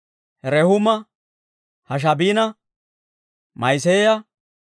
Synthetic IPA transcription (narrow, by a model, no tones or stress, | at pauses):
hɛɾɛhʊmɐ | hɐʃ̬ɐbiːnɐ | mɐjs̬eːjɐ